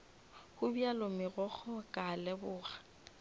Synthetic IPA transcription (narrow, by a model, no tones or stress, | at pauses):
hʊbialʊmɪrɔχɔkʼalɛbʊːɣḁ